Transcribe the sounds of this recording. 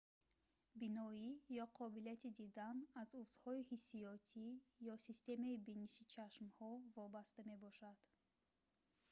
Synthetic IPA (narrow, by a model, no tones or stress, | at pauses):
binɔijɔqʰɔbilijat̪ʰid̪id̪anazufz̥hɔihisijɔt̪ʰijɔsist̪e̞maibinisit͡ʃʰaʃmhɔvɔbast̪ame̞bɔʃad̪̥